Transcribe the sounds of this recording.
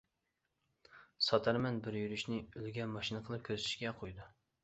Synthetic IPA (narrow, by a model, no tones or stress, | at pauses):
sɑt̪ʰæɾmɛnbɪɾjyɾyʃnɪylɡʲɛmɑʃinɨqʰəlˠɨp̚kʲʰøzt̪ʰyʃɡʲɛqʰojd̪u